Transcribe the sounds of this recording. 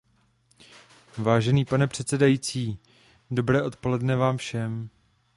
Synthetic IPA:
vaːʒɛniːpanɛpr̝̥ɛt̪t͡sɛdajiːt͡siː | do̞bɾɛːʔo̞t̪po̞lɛdnɛvaːmfʃɛm

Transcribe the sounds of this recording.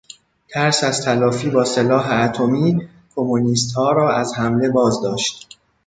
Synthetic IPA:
t̪ʰæɾsæz̥t̪ʰælɒːfiːbɒːse̞lɒːɦeæt̪ʰo̞miː | kʰo̞muniːst̪hɒːɾɒːæzhæmle̞bɒːzd̪ɒːʃt̪

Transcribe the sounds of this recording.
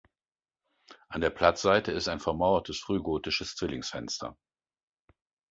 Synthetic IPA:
ʔandeːɐpʰl̥at͡sz̥aɪtəɪstaɪnfɛɐmaʊɐtʰəsfʁ̥yːɡoːtɪʃəst͡sv̥ɪlɪŋsfɛ̰nstʰɐ̰

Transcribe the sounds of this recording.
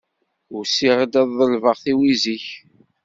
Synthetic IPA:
ʊɾsiʁəd̪æðːˤəlvəʁθiwiziç

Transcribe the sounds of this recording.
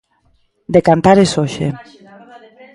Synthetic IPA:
d̪ekant̪aɾesoʃḛ

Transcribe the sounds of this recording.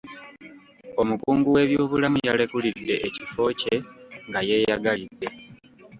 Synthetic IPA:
o̞mukuːŋɡuwe̞ːβjo̞ːβulamujale̞kulid̪ːe̞ʔːcifo̞ːce̞ŋɡaje̞ːjaɡalidːe̞

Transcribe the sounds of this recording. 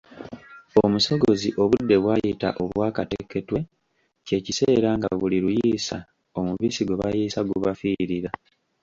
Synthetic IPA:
omuso̞ɡo̞ziʔo̞βudːe̞βwaːjita̰ʔoβwaːkatekːe̞twe̞ | ce̞ːcise̞ːɾaŋɡaβuliɾujiːsa | o̞muβiːsiɡeβajiːsaɡuβafiːɾiɾa

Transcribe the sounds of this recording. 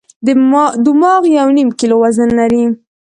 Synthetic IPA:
d̪umɑɣjawnimkilowazənːaɾi

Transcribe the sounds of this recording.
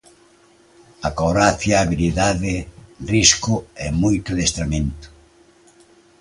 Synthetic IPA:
akoɾaθjaːβiliðaðɪriskʊɛmojt̪oðest̪ɾamẽnt̪ʊ̥

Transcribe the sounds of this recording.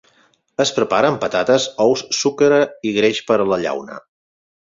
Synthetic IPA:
əspɾəpaɾəmpət̪at̪əzɔwsːukəɾəiɣɾeʃpəɾələʎa̰wnə̰

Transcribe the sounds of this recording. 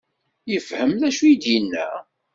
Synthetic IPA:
jəfhəmlæʃujid̪jinːæ̰

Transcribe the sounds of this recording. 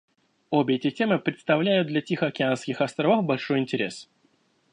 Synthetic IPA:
obʲɪɛtʲɪtʲe̞mɨpɾʲɪt̪st̪ɐvlʲæjʊt̪d̪lʲɐtʲixəɐkʲɪanskʲɪxɐst̪ɾɐvofbɐlʲʂo̞jɪnʲtʲɪɾʲes

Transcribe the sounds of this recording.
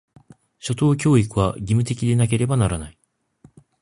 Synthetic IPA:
ɕo̞t̪o̞ːkʲo̞ːikɯ̟βaɡʲimɯ̟t̪e̞kʲid̪e̞nak̬e̞ɾe̞banaɾanai

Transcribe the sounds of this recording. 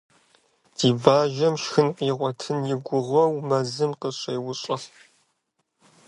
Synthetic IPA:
d̥iːbaːʒɐmʃxɨnqiːʁʷɔtʰɨnjɪɡʷʊʁʷɐwmɐzɨmqəɕɐjwʊɕʼɐɬ

